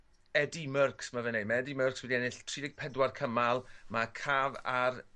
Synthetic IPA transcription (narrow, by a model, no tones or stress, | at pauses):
ɛdimərksmavɛnejmɛɛdimərkswidiɛnɪɬtʰriːdɪɡ̚pʰɛdwarkʰəmalˠmakʰaːvar